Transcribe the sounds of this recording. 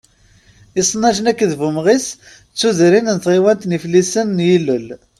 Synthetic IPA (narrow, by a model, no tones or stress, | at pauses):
isˤnɑʒənækːəðvumʁis | t͡sːuðɾinnət̪ʁiwænt̪niflisənːjilːəl